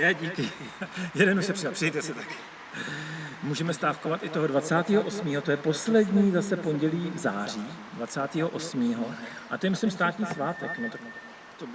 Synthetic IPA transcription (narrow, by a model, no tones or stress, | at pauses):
nɛɟiːkɪ | jɛdɛnuʃɛpr̥siapr̥ɪjɛjt̪ɛsɪt̪ak | muːʒɛmɛst̪aːfkovat̪ɪt̪oɦodvat͡saːt̪iːɦoʔo̞smiːɦo̞t̪o̞jɛpo̞slɛdɲiːzasɛpo̞ɲɟɛliːvza̰ːr̝iːdvat͡saːt̪iːɦo̞ʔo̞smiːɦo̞ʔat̪o̞jɛmɪslɪmst̪aːt̪ɲiːsvaːt̪ɛknot̪ak | t̪o